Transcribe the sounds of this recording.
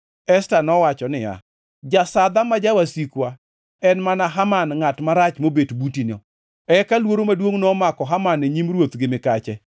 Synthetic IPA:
ɛstanɔwat͡ʃɔnɪja̰ | d͡ʒasad̪amad͡ʒawasikwa | ɛnmanaɦamanŋatmaɾat͡ʃmobetbutinɔ̰ | ɛkalwoɾomadwoŋnɔmakɔɦamaneɲimrwot̪ɡɪmɪkat͡ʃɛ

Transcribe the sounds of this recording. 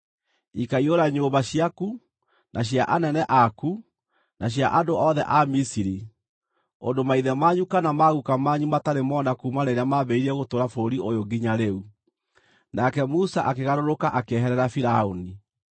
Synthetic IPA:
ikaioɾaɲoːbaɕiaku | nʔaɕ̬jaʔanɛnɛʔaku | naɕ̬jaʔandoɔðɛ̰ʔamisiɾi | ondomaiðɛmaɲukanamaɣukamaɲumataɾemɔnakuːmanɛɾamaβɛiɾɛɣotoːɾafoɾiojoɡiɲaɾeu | nakɛmusaʔakeɣaɾoɾokaʔakeɦɛɾɛɾafiɾaoni

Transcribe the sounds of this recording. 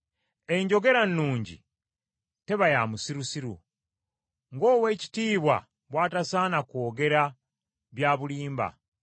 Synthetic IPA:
e̞ɲɟo̞ɡe̞ɾanːuːɲɟḭ | te̞βajamusiɾusiɾṵ | ŋɡo̞ːwe̞ːci̥tiːβwa̰ | βwaːtasaːnakwo̞ːɡe̞ɾa | βjaːβuliːmba̰

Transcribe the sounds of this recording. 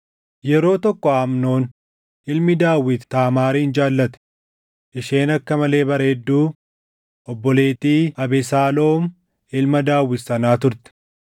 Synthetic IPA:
jɛɾo̞ːt̪ɔkːɔaːmno̞ːn | ɪlmɪd̪aːwːɪt̪ːaːmaːɾiːɪnd͡ʒaːlːɐt̪ɛ̥ | ʔɪʃe̞ːnɐkːɐmɐle̞ːbɐɾe̞ːd̪ːuː | ʔɔbːɔle̞ːt̪iːɐbɛsaːlo̞ːm | ɪlmɐd̪aːwːɪt̪sɐnaːt̪ʊɾt̪ɛ̥

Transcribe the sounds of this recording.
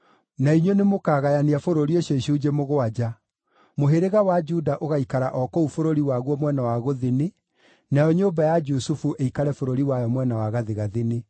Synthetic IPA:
naiɲɔnemokaːɣajaniafoɾoɾioɕoɕuːd͡ʑemoɣoad͡ʑa | moɦeɾeɣawad͡ʒudaʔoɣaikaɾaʔɔkɔufoɾoɾiwaɣwɔmwɛnawaɣoðene | najɔɲoːmbajad͡ʒusufuʔeikaɾɛfoɾoɾiwajɔmwɛnawaɣaðeɣaðene

